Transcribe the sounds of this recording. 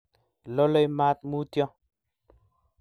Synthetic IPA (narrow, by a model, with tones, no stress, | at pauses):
lo˦lɔ˦jma˦t̪̚mu˦tjɔ̃˦